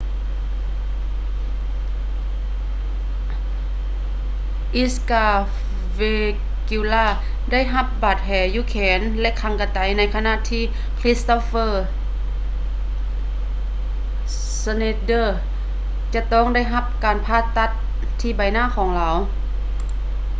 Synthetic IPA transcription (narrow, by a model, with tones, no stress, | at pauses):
ʔi˧˥skaː˧˩ | we˧ | ku˧laː˧˩ | da˥˩˨jɦa˧p̚baː˨˩t̪̚hɛː˨˦juː˧˨kʰɛː˨˦nlɛ˧ʔkʰa˧˦ŋka˧˩t̪a˨˦jna˧˥jkʰa˧na˧˨t̪ʰiː˧˥˨ | kʰli˧˥st̪o˧˥fɤː˧˩ | sa˧ne˧dɤː˧˩ | t͡ɕa˧t̪ɔː˥˩˨ŋda˥˩jɦa˧p̚kaː˨npʰaː˧˥˩t̪ːa˧˩t̪̚ʰː | iː˧˩ba˨˩jnaː˧˥˨kʰɔː˨˦ŋlaː˨˦w